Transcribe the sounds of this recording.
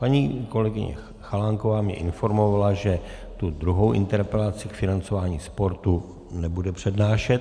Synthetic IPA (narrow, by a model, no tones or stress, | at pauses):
paɲiːko̞lɛɡɪɲɛ̰ | xalaŋko̞vaːmɲɛ̰ʔɪnfo̞ɾmo̞valaʒɛ | t̪ud̪ɾuɦo̞wʔɪ̰nt̪ɛɾpɛlat͡sɪkfɪnant͡so̞vaːɲiːspo̞ɾt̪u | nɛbudɛpr̝̥ɛdnaːʃɛt̪̚